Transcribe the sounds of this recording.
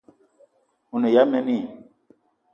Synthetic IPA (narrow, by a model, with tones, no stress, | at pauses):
u˨ne˨ja˦mɛ˦ni˦˨